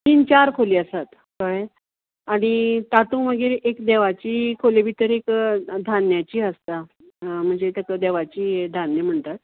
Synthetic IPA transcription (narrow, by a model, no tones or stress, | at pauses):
t̪iːnt͡ɕaɾkʰoliːəsat̪ | kəj | aɽ̃it̪at̪ũməɡiːɾekd̪eʋat͡ɕiːkʰolebʱit̪əɾekd̪ʱanjat͡ɕiːəst̪a | m̤əɳd͡zet̪ək̪əd̪eʋat͡ɕiːed̪ʱanːəm̤əɳt̪at̪̚